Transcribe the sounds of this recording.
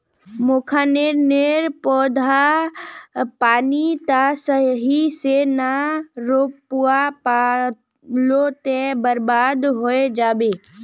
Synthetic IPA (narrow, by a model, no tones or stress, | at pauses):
moːkʰaːneɾneɾpɔːd̪ʱa | paːnit̪asəɦiseːnaɾopuapa | lot̪ebəɾbaːd̪ɦoed͡ʒaːbeː